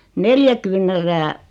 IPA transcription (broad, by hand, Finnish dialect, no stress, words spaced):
neljæ kyːnˑæræː